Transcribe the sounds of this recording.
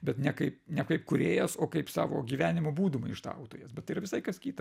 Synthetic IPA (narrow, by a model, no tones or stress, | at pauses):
bʲɛt̪nʲɛkɐɪpnʲɛkɐɪpkʊɾʲeːjɛsoːkɐɪpsɑ̰ːʋo̰ːɡʲiːʋʲæːnʲɪmoːbuːd̪ʊmɐɪɪʃt̪ɐ̰ʊt̪oːjɛsbʲɛt̪ːɐɪiɾɐʋʲɪsɐɪkɐskʲiːt̪ɐ